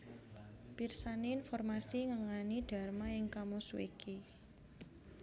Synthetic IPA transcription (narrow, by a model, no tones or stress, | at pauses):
b̥irsaneːnfɔrmasiŋəŋaniɖ̥a̤rmaɪŋkamoswḛkʰi